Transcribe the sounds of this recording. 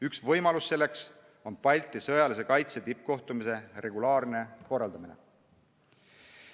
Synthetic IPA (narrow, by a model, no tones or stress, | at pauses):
yksvɤjmɑlusːelːe̞ks | o̞npɑlʲt̪ːˑisɤjɑlise̞kɑjt̪set̪ip̚ko̞ht̪umise̞re̞ɡulɑːrne̞ko̞rːɑld̪̥ɑminḛ